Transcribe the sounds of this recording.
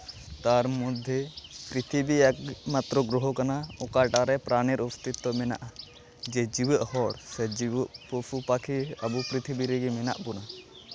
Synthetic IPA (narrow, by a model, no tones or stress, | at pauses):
t̪aɾmud̪ʱepɾit̪ʰibiakmat̪ɾɔɡɾɔɦɔkanaɔkaʈaɾɛpɾaniɾɔst̪it̪ːɔmɛna̰ʔa | d͡ʒɛd͡ʒiwəʔhɔɽsɛd͡ʒiwəʔpusupakʰiəbupɾit̪ʰibiɾɛɡimɛna̰ʔbuna